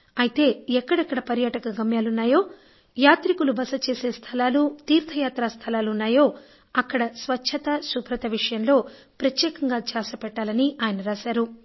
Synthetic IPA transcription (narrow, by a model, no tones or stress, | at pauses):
ɐjit̪e̞ːɛkːɐɽɐkːɐɽɐpɐɾjaːʈɐkɐɡɐmjaːlunːaːjo̞ː | jaːt̪ɾikulubɐsɐt͡ʃe̞ːse̞ːst̪ʰɐlaːlut̪iːɾt̪ʰɐjaːt̪ɾaːst̪ʰɐlaːlunːaːjo̞ː | ɐkːɐɽɐsʋɐt͡ʃt͡ʃʰːɐt̪ɐsupɾɐt̪ɐʋiʂɐjɐmlo̞ː | pɾɐt̪jɛːkɐŋɡaːt͡ʃaːsɐpɛʈːaːlɐniaːjɐnɐɾaːsaːɾu